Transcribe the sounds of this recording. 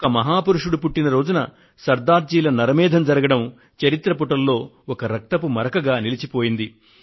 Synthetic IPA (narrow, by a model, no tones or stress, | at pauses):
kɐmɐɦaːpuɾuʂuɽupuʈːinɐɾo̞ːd͡ʒunɐ̰ | sɐɾd̪aːɾd͡ʒiːlɐnɐɾɐmɛːd̪ʱɐmd͡ʒɐɾɐɡɐɽɐm | t͡ʃɐɾit̪ɾɐpuʈɐlːo̞ː | ɔkɐɾɐk̚t̪ɐpumɐɾɐkɐɡaːnilit͡ʃipo̞ːjind̪i